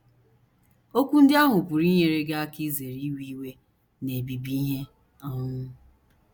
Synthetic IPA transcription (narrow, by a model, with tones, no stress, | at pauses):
o˦kʷu˦n̩˦dɪ˦a˦ɦʊ˨pʊ˨ɾi˦ɲe˨ɾe˦ɡa˦a˦ki˦ze˨ɾi˦wi˦we˦ | ne˨bi˨bi˦ɦe˦ | ɔ˦ŋʊ˦